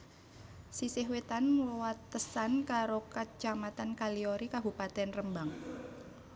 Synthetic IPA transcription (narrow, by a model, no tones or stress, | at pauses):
sisɪɦwet̪anwat̪ːəsankaɾokat͡ʃamat̪ankalioɾikaɦupat̪ɛnrəmbaŋ